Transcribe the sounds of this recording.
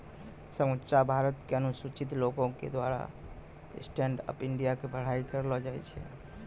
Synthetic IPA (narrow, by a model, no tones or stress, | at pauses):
səmut͡ʃabʱaɾət̪keənusut͡ʃit̪lokõkḛd̪waɾa̰ | sʈeɳɖə̰piɳɖijakebəɽ̤aikəɾlɔd͡ʒajt͡ʃʰɛ̰